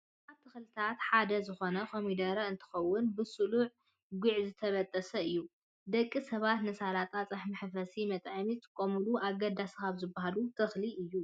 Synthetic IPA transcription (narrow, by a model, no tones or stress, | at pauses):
ʔaβt̪ʰɨxlɨt̪ʰat̪ħad̪ɐzɨxo̞nɐkʰomid̪ɐɾɐɨnt̪ʰɨ̥xɐwːʊnbɨsɨluʕ | ɡuʕzɨt̪ʰɐβɐt̪ʼːɐsɐɨjːu | d̪ɐkʼːisɐβat̪nɨsalat̪ʼat͡sʼɐħmɨħfɐsimɐt̪ʼʕɐmiɨt̪ʰʼɨkʼːomɨluaɡɐd̪askaβzɨbːaɦalut̪ʰɨxliʔɨjːu